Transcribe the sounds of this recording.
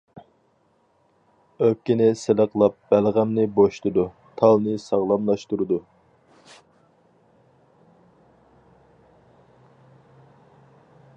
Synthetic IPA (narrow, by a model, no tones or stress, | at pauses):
øp̚kʲinɪsɪləqʰlˠɑp̚b̥ælʁæmnɪboʃt̪ɨd̪u | t̪ʰɑlˠnɨsɑʁlˠɑmlˠɑʃt̪uɾɨd̪u